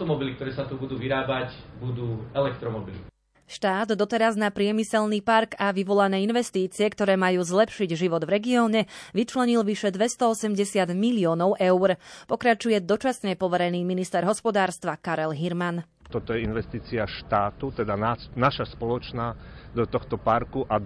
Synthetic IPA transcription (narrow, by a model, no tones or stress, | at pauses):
t̪ɔmɔbilikt̪ɔɾɛːsat̪ubud̪uːʋiɾaːbacbud̪uːɛlɛkt̪ɾɔmɔbili | ʃt̪aːd̪ːɔt̪ɛɾaznapɾɪɛmisɛlniːpaɾɡaʋiʋɔlanɛːinʋɛst̪iːt͡siɛkt̪ɔɾɛːmajuːzlɛpʃiɟʒiʋɔd̪ʋɾɛɡiɔːɲɛʋit͡ʃlɛɲilʋiʃɛd̪ʋɛst̪ɔɔsɛmɟɛsɪad̪miliɔːnɔʊʔɛʊɾpɔkɾat͡ʃujɛd̪ɔt͡ʃasɲɛpɔʋɛɾɛniːminist̪ɛɾɦɔspɔd̪aːɾst̪ʋakaɾɛlɦiɾman | t̪ɔt̪ɔjɛinʋɛst̪iːt͡siaʃt̪aːt̪ut̪ɛd̪ananaʃaspɔlɔt͡ʃnad̪ɔt̪ɔxt̪ɔpaɾkuʔa